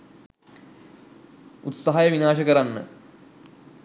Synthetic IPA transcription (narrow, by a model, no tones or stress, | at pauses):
ut̪saɦajəʋinaːʃəkəɾanːə̰